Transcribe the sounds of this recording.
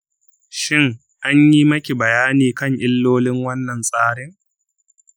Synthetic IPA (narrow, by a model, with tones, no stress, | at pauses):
ʃɪ˦ŋ | ʔa˦ɲji˦mɐ˦kʲi˨bɐ˨jaː˦niː˨kɐ˦ŋʔɪ˦lːoː˦lɪ˦ŋwɐ˦nːɐ˨nsʼaː˦ɽɪ˦ŋ